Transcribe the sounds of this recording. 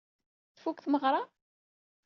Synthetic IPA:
θfukθməʁɾˤɑ

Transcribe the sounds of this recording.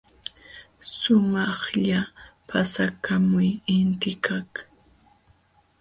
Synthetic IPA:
sʊmɑχʎapʰasakamʊjɪnt̪ɪkʰak

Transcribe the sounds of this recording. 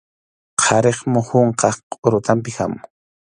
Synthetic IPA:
qʰɑɾeχmʊhʊɴqɑχqʼʊɾʊt̪ampɪxa̰mʊ

